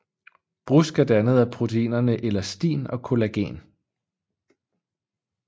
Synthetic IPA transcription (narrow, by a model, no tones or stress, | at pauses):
b̥ʁusɡ̥æɐd̥ænəð̞̩ˠæpʰʁo̝t͡sʰeḭːnɐnəʔelɐsd̥ḭːnɒ̽kʰo̝læɡ̥ɛ̰ːn